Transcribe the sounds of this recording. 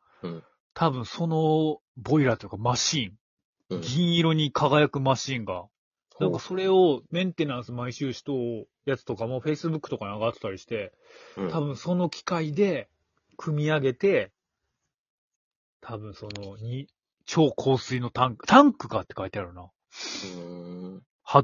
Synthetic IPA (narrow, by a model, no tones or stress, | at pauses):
t̪ʰabɯ̟̃ɰ̃so̞no̞bo̞iɾat̪oj̟kamaɕĩŋ | ɡʲĩɰ̃iɾo̞ɲ̟ikʰaɡajakɯ̟maɕĩŋɡa | nãŋkaso̞ɾe̞o̞mẽ̞nt̪e̞nãɰ̃sɨmaiɕɨːɕi̥t̪o̞ː | jat͡sɨ̥t̪o̞kamoːɸe̞isɨbɯ̟kːɯ̟̥t̪o̞kaɲaɡat̪t̪ːaɾʲiɕi̥t̪e̞ | t̪aβɯ̟̃ɰ̃so̞no̞kʲi̥kaid̪e̞ | kʰɯ̟mʲiaɡe̞t̪e̞ | t̪ʰabɯ̟̃ɰ̃so̞no̞ɲ̟i | t͡ɕo̞ːkʰo̞ːsɨino̞t̪ãŋkɯ̟̥t̪ʰãŋkɯ̟ɡat̪ːe̞kait̪eaɾɯ̟na | ha